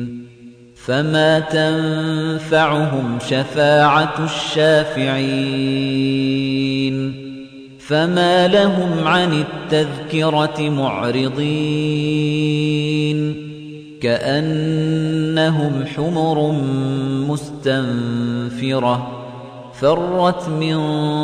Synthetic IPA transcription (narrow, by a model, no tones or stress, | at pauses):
famaːt̪anfaʕʊɦʊmʃafaːʕaʃːaːfɪʕi | n | famaːlaɦʊmʕanɪt̪ːaðkɪɾɑmʊʕɾɪd̪ˤiː | n | kaʔanː | aɦʊmħʊmʊɾ | mʊst̪amfɪɾɑ | fɑrˤːɑt̪mɪn